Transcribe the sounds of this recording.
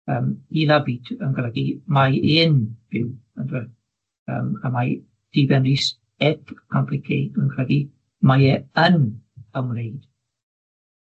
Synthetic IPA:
əːmilabiːtʰənɡrɛɡimajɪːnb̥ɪwəndwɛ | ə̰ːmamaj | d̥ibɛnris | ɛtkʰɔmpʰlɪkʰeənɡɾɛɡi | majɛənəmrejd̥

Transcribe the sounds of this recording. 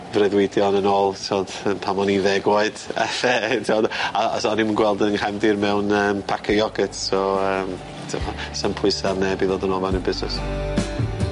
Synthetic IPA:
vrɛðwɪdjɔnənoːlˠtʰɔd̥əpʰamɔniðɛɡwaɨd̥ɛ̰θɛtʰɔdaa̰sɔnimənɡwɛlˠdənhɛmdɪrmɛwnəːmpʰakʰəjɔɡətsɔəːm | tʰɪ̰mɔsəmpʰʊɨsarnɛbiðoːdənɔːlˠanəbɪznɛ̰s

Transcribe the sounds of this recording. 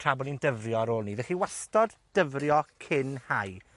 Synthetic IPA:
tʰrabɔnindəvrjɔaɾoːlˠniðɛχiwɛstɔd | d̥əvrjɔkʰɪnhaj

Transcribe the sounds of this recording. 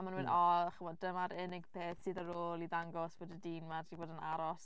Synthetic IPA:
amanwɛnɔχəmɔdd̥əmaɾɪnɪɡ̥pʰeːθsɨːðəɾoːlˠiðaŋɡɔsb̥oːdədiːnmadiboːdənaɾɔs

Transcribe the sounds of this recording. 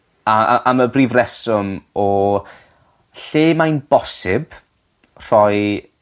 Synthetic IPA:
aa̰ʔaməbriːvrɛsʊmɔ | ɬeːmajnb̥ɔsɪb̥ | r̥ɔj

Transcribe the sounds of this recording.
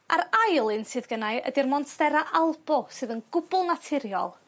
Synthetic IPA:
a̰ɾajlˠɨnsɨːðɡənajə̰dirmɔntʰðɛɾaʔalˠbɔsɨːðənɡ̥ʊbʊlˠnatʰɪɾjɔ̰lˠ

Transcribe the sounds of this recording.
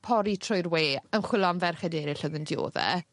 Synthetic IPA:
pʰɔɾitʰrɔjrweːənχwɪlˠɔnvɛrχɛdeːɾɪɬəðəndjo̰ːðɛ̰

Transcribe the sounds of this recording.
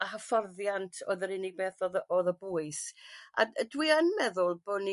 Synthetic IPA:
ahəfɔrðjantʰɔ̰ðəɾɪnɪɡ̚beːθɔðəɔðəbʊːɨsa̰dwiːənmɛðʊlˠb̥oni

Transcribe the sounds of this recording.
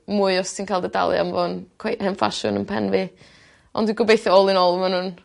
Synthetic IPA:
muːɨɔssʰinkʰaːlˠdəda̰lˠɨ̰a̰mvɔnkʰweʔhɛnfa̰ʃʊ̰nənpʰɛnvɪ | ɔ̰ndwiɡɔbejθɔɔlˠɨnɔlˠəmanhʊn

